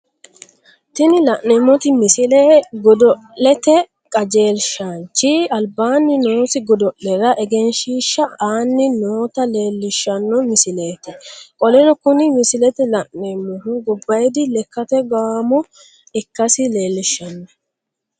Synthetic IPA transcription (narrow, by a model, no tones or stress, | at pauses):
t̪ɪnɪlɐʔnɛmːɔt̪ɪmɪsɪlɛɡɔd̪ɔ | lɛt̪ɛ | kʼɐd͡ʒe̞ːlʃaːnt͡ʃːɪɐlbaːnːɪnoːsɪɡɔd̪ɔʔlɛɾɐʔɛɡɛnʃiːʃːɐaːnːɪnoːt̪ɐle̞ːlːɪʃːɐnːɔmɪsɪle̞ːt̪ɪkʼɔlɛnɔkʊnɪmɪsɪlɛt̪ɛlɐʔnɛmːɔhʊɡʊbːɐjd̪ɪlɛkːɐt̪ɛɡamɔ | ɪkːɐsɪle̞ːlːɪʃːɐnːɔ